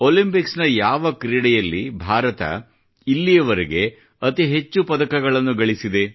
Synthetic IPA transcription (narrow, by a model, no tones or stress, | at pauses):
olimpiksnɐjaːʋɐkɾiːɽɛjɐlːibʱaːɾɐt̪ɐ̰ | ilːijɐʋɐɾiɡe̞ | ɐt̪iɦe̞t͡ʃːupɐd̪ɐkɐɡɐɭɐnːuɡɐɭisid̪e̞